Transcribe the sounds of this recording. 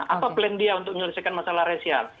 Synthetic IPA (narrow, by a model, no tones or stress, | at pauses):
ʔa̰paplɛndiaunt̪ʊk̚məɲuləsajkanmasalahɾesial